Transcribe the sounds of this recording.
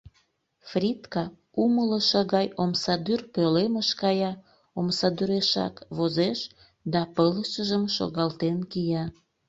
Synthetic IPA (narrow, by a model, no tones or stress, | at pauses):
frʲit̪kɑ | umələʃəɣɑjomsɑd̪yrpøleməʃkɑjɑ | omsɑd̪yɾeʃɑ̰kβozeʃ | d̪ɑpələʃəʒəmʃo̰ɣɑlt̪enkijɑ